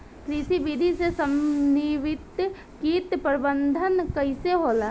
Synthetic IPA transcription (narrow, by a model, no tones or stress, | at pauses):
kɾiːsibiːd̪ʱisesəmniʋɪt̪ | kiːt̪pəɾɪbənd̪ʱənkəiseɦoːlaː